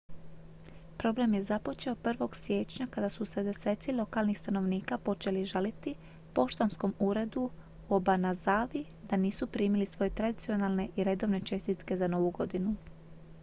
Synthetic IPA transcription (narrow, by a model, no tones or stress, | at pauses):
pɾo̞blemje̞zapo̞t͡ʃe̞opr̩ʋo̞ɡsje̞ːt͡ʃɲakad̪asused̪e̞se̞t̪silˠo̞kalˠnixst̪ano̞ʋniːkapo̞t͡ʃe̞liʒalit̪i | po̞ʃt̪ansko̞muːɾe̞d̪u | obanazaːʋi | d̪aniːsupɾiːmilisʋo̞je̞t̪ɾad̪it̪sio̞nalˠne̞ʔiɾe̞d̪o̞ʋne̞t͡ʃe̞st̪it̪ke̞zano̞ʋuɡo̞d̪inu